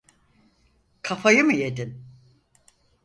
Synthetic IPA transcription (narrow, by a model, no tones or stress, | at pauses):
kʰafajɯmɯje̞d̪in